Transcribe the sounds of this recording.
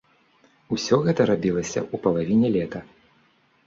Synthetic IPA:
usʲɔɣɛt̪ɐɾabʲilˠɐsʲɐ̰upɐlˠavʲinʲɛlʲɛt̪ɐ

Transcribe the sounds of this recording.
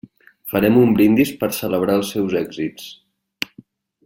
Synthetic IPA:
fəɾɛmumbɾind̪ispəɾsələβ̞ɾaəlˠsːɛwzɛɡzit͡s

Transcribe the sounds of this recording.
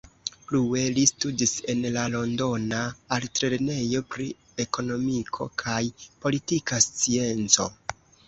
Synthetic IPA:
plue̞listudise̞nlalo̞ndo̞naːltɾe̞ɾne̞jo̞pɾi | e̞ko̞no̞mikʰo̞̰kʰajpo̞litikast͡sie̞nt͡so̞̰

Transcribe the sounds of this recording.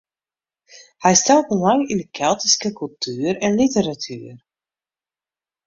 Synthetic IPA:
hɛjstɛlˠt̚əlɑŋindəkʰɛlˠtiskəkɵlˠtʰyːɾɛnlitəɾatʰy̰ːər

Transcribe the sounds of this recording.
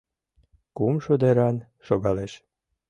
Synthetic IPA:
kumʃud̪eɾɑn | ʃoɣɑleʃ

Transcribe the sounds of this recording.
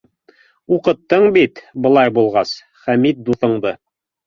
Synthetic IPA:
uqɤ̆t̪ːɤɴbit̪bɤ̆lˠɑjbulˠʁɑs | χæmit̪̚d̪uθɤ̆ɴd̪ɤ

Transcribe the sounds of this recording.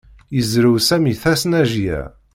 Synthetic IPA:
jəzɾəwsæmiθæsnæʒjæ̰

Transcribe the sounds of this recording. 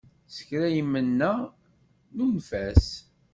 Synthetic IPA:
sə̥çɾæjimːənːæ | nunfæs

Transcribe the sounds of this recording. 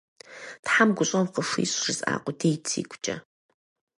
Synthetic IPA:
tħamɡʷʊɕʼɐwqəʂḭːɕrɨzʼa̰ːqʷʼɔdejtʰḭːɡʷʰʼt͡ʃʼɐ

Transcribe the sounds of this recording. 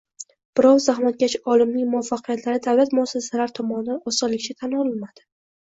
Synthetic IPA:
b̥ɪɾɒwzahmat̪̚ɡʲat͡ʃɒlɪmnɪŋmʊafːaqʰɨjat̪ʰlaɾɪd̪avlat̪mʊasasalaɾt̪ʰɒmɒnɪd̪anɒsɨlːɪkʲt͡ʃʰat̪ʰanɒlɪlmad̪̥ɪ

